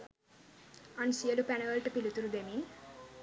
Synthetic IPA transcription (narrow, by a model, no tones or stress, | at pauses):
ɐnsijɐlupɛnɐʋɐlʈɐpilut̪uɾud̪emin